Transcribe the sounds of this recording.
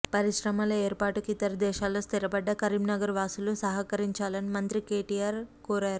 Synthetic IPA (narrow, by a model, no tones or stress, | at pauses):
pɐɾiʃɾɐmaːlɐeːɾpaːʈukit̪ɐɾɐd̪ɛːʃaːloːst̪iɾɐbɐɖːɐkɐɾiːmnɐɡɐɾʋaːsulusɐɦɐkɐɾiɲt͡ʃaːlɐnimɐnt̪ɾikeːʈijaːɾkoːɾaːɾu